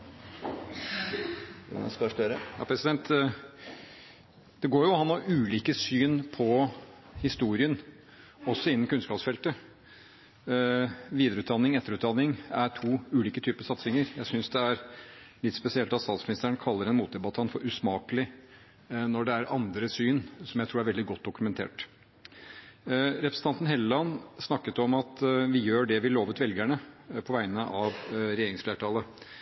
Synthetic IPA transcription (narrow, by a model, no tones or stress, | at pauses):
ɛ̰nɛ̰skɑʂt̪øɾəjɑ̰ːpʰɾɛsɪd̪ɛnt̪ | d̪̥ɛɡoːɾjʊhɑnːɔʔʉːliːkəsyːnpʰɔ | hɪst̪uːɾɪən | ɔsːɔɪnːn̩kʉnskɑːpsfɛlt̪ə | ʋiːd̪əɾəʉːt̪d̪ɑnːɪŋɛt̪ːəɾʉːt̪d̪ɑnːɪŋæɾʈʰuːʉːliːkət̪ʰyːpəsɑt̪sɪŋəɾjæɪsʏnsd̪ɛæɾlɪt̪spɛsɪɛlt̪ɑt̪st̪ɑt̪smɪnɪst̪əɳkʰɑlːəɾɛnmuːt̪̚d̪ɛbɑt̪ʰɑnt̪fɔɾʉsmɑːkəlɪ | nɔɖɛæɾɑnd̪ɾəsyːnsɔmjæɪt̪ʰuːɾæɾʋɛld̪ɪɡɔt̪̚d̪ʊkʉmɛnt̪ʰḛːʈ | ɾɛpɾəsəɑnt̪n̩heləlɑnːsnɑkːət̪ɔmɑt̪ʋɪjøːɖɛʋɪloːʋʉːt̪ʋɛlɡæɳəpʰɔʋæɪnəʔɑʋɾɛjeːɾɪŋsfleːʈʰɑːlə